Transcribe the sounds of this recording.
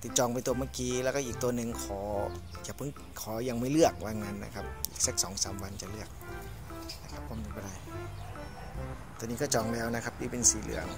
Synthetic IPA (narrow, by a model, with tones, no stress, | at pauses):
t̪i˨˧t̪̚t͡ɕɔː˧ŋp̬a˧jt̪u˧˩əmaː˧˩kiː˧lɛː˧˩kɔː˥˩ʔiː˨˩k̚t̪u˧ənɯ˨˩ŋkʰɔː˨˩˦ | kaː˨˩pʰɯ˨˦ŋ | kʰɔː˨˩˦ja˧ŋmaː˧˩jlɯ˥˩ək̚waː˧ŋŋa˧˥nːa̰˧kʰa˦˥p̚ʔiː˨˩k̚sa˧˦˥k̚sɔː˨˩˦ŋsaː˨˦mwa˧nt͡ɕa˨˩lɯ˥˩ək̚ | na˧˩kʰa˧˥p̚kʰɔː˧˩˨mpe˨˧nbɔː˧˩ɾa˧˩j | t̪u˧niː˦˧kɔː˥˩t͡ɕɔː˨˩ŋlɛː˦˧˩wna˦˥kʰa˦˥p̚diː˧˩pe˧nsiː˨˩lɯ̰˩˦əŋ